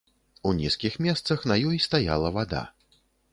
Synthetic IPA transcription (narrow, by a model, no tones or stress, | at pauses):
unʲiskʲixmʲɛst̪sɐxnɐjɔjst̪aja̰lˠɐvad̪a̰